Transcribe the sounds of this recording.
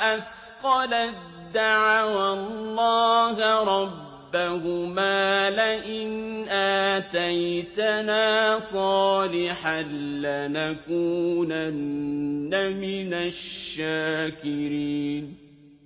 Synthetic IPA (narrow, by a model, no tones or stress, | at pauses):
ʔaf | qɑla | d̪ːaʕawalˤːɑːɦɾˤɑbːahʊmaːlɪʔɪnʔaːt̪ajt̪anaːsˤɑːlɪħanlanakuːnanː | amɪnaʃːaːkɪɾiːn